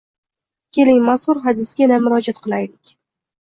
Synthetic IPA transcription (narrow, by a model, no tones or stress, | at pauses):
kʲe̞lɪŋmashʊɾɦad̪ɪsɡʲanammʊɾɒd͡ʒat̪qʰɨlˠajlɪkʲ